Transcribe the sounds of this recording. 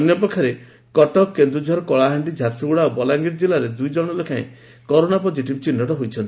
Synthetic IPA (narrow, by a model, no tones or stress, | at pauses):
ɔnjɔpɔkʰːaɾe | kɔʈɔkːend̪ɾud͡ʒʱɔɾɔkɔɭaɦaɳɖid͡ʒʱaɾsɾuuɽaobɔlaŋɡiɾd͡ʒilaɾed̪ujd͡ʒɔɽ̃ɔlekʰaj̰̃ | kɔɾonapɔd͡ʒiʈipt͡ʃinːɔʈɔɦojt͡ʃʰɔnt̪i